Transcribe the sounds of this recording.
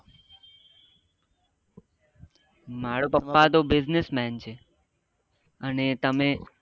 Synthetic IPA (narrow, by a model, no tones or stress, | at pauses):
maːɽoːpəpːaːd̪oːbɪznɪsmɛːnt͡ɕʰe | ənet̪əmẽː